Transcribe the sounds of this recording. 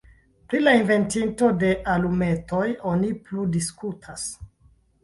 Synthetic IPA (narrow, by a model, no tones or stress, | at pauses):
pɾilainve̞ntinto̞de̞ʔalume̞to̞jo̞nipludiskutʰas